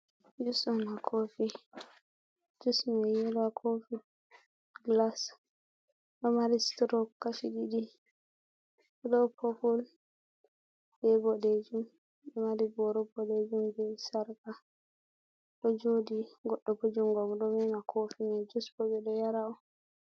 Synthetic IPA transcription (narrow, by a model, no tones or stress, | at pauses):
d͡ʒusɔnakʰofi | d͡ʒusmɛjɛlwakʰofi | ɡlas | ɗɔmaɾistɾɔkːaʃiɗidi | ɔɗɔpʰopul | b̥ɛbɔded͡ʒum | ɗɔmaɾibɔɾɔbɔɗed͡ʒumbɛsaɾka | ɗɔd͡ʒodiɡɔɗːɔbod͡ʒumɡɔɡɗɔmɛnakʰofinɛd͡ʒusbɔbɛɗɔjaɾaɔ